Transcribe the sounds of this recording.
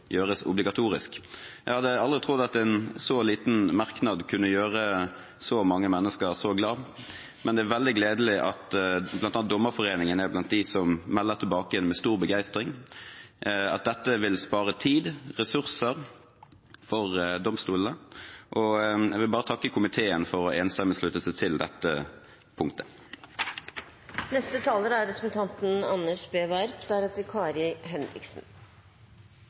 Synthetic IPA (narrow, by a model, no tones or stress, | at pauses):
jøːʁəsʊ̰blɪɡɑt̪ʰuːɾɪskjæɡhɑd̪ːəɑld̪ʁɪt̪ʰʁʊd̪ːɑt̪ɛnsɔliːt̪n̩mɑʁknɑd̪kʰʉnːəjøːʁə | sɔmɑŋːəmɛnːəskəʁsɔɡlɑː | mʔɛnd̪ɛæɾʋɛld̪ɪɡleːd̪əlɪʔɑt̪blɑnɑnd̪ɔmːəɾfɔʁeːnɪŋənəæblɑnt̪̚d̪ɪsɔmmɛlːəʁt̪ʰɪlbɑːkəjɛnmɛst̪uːʁbəɡæɪst̪ʁɪŋ | ɑ̰t̪̚d̪ɛt̪ːəʋɪlspɑːɾət̪ʰiːd̪ʁɛsʉʁsəʁ | fɔʁd̪ɔmst̪uːləʔɔɛɡʋɪlbɑːʁət̪ʰɑkːəkʰʊmɪt̪ʰeːənfɔʁɔʔeːnst̪ɛmːəslʉt̪əsɛt̪ʰɪld̪ɛt̪ːə | pʰʊŋkt̪ʰə̥ | nɛst̪ət̪ʰɑːləɾæɾɛpɾəsn̩t̪ʰɑnt̪n̩ɑnːəʂbeːʋæɾpd̪æɾɛːt̪əɾkʰɑːɾɪɦɛnɾɪ̰ksn̩